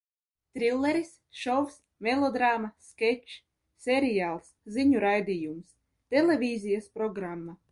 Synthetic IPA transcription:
t̪ɾilˠːeɾis | ʃɔfs | melˠɔd̪ɾaːmaskʲɛt͡ʃ | sʲeɾijaːlˠsziɲuɾajd̪ʲijums | t̪elʲevʲiːzʲijaspɾɔɡɾamːa

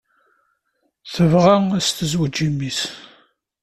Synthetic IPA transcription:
θəvʁææst̪əzwəd͡ʒimːis

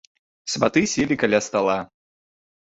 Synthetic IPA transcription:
sʲbat̪ɨsʲɛlʲikalʲast̪alˠa

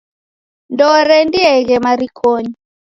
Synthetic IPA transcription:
ndɔɾɛndiɛɣɛmaɾikʰoɲi

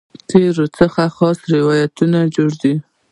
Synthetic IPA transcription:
t̪eɾot͡səxaxɑsɾɪwɑjat̪unad͡ʒoɽd̪i

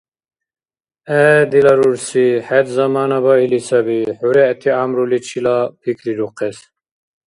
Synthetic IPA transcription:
ɛd̪ilɑɾuɾsiħɛd̪zɑmɑːnɑbɑilisʰɑbiħuɾɛt̪ʰiamɾulit͡ʃʰilapʰikʰliɾuqʰɛs

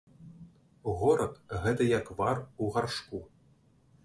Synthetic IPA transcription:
ɣɔɾɐt̪ɣɛt̪ɐjakvaruɣarʂku

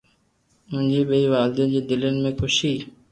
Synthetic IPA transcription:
mʊ̃ɲd͡ʒiːɓeiːʋaːld̪ẽːd͡ʒeːd̪ɪlenmẽːkʰʊʃiː

